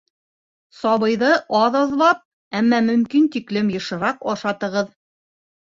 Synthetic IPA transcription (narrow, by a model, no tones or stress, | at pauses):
sɑβɤ̆jðɤʔɑðɑðlˠɑp̚ | æmːæmɵ̆mkint̪iklɘmjɤ̆ʃɤ̆ɾɑqɒʃɑt̪ɤ̆ʁɤð